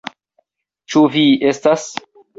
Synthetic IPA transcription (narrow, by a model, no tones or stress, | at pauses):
t͡ʃuvie̞stas